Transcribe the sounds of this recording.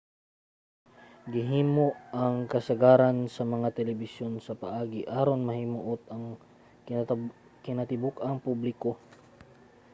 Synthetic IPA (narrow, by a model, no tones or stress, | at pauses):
ɡɪɦiːmoʔɐŋkɐsɐɡaːɾansɐmɐŋat̪ɛlɛbɪsjo̞nsɐpɐʔaːɡɪʔaːɾonmɐhimʊʔot̪̚ɐŋ | kɪnɐt̪ɪbukɐŋpublɪko